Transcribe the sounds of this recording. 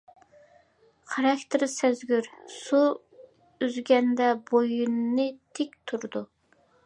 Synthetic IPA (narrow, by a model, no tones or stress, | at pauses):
qʰɑɾɑkʲt̪ʰɨɾsæzɡʲyɾsu | yzɡʲɛnd̪ɛbojunːɨt̪ʰek̚ʲt̪ʰuɾd̪u